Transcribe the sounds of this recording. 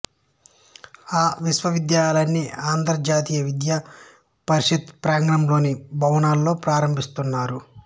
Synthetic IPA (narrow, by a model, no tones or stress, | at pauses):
aːʋisʋɐʋid̪jaːlɐnːiaːnd̪ɐɾd͡ʒaːt̪iːjɐʋid̪jaː | pɐɾiʃɐd̪pɾaːŋɡɐɳɐmlo̞ːnibʱɐʋɐnaːlːo̞ːpɾaːɾɐmbʱist̪unːaːɾu